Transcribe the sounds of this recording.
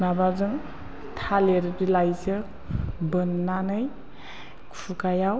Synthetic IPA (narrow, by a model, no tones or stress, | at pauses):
nabazɯŋ | tʰaleɾdilajzɯ | bɯnːanɯj | kʰukajaw